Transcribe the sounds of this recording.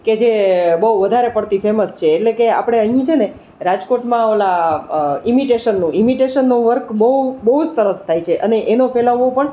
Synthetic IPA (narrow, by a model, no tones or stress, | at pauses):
ked͡ʒebəɦuʋəd̪ʱaɾepəɽt̪ifeməst͡ʃʰeːʈlekea̰pɽ̃eəɦĩt͡ʃʰene | ɾad͡ʒkoʈmãʋəla | imiʈeʃənːũʔimiʈeʃənːũʋəɾkbəɦubəɦud͡ʒsəɾəst̪ʰajt͡ʃʰeʔəneʔenofeləʋopəɳ